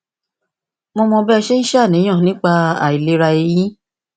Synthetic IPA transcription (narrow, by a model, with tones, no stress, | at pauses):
mɔ̃˧mɔ̃˧bɛ˦˧ʃe˦n̩˦ʃa˦˨nĩ˨˦j̃ã˦˨nĩ˨˦k͡pa˧a̰˦˨i˨le˨˦ɾa˧e˧jĩ˦